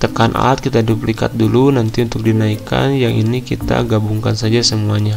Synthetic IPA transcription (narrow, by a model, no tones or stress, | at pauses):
t̪əkanʔa̰at̪̚kit̪aduplika̰t̪̚dulunant̪iunt̪ʊk̚dinaika̰njaŋʔḭnikit̪a̰ɡabuŋkansad͡ʒasəmuaɲa